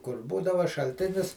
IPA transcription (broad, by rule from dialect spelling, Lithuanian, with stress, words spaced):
kʊr ˈbuːdɐʋɐ ʃɐlʲˈtʲɪnʲɪs